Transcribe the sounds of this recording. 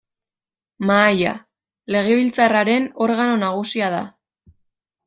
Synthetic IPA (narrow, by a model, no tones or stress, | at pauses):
maːja̰ | le̞ɣ̞e̞β̞ilt͡saraɾe̞no̞ɾɣano̞naɣ̞usiað̞a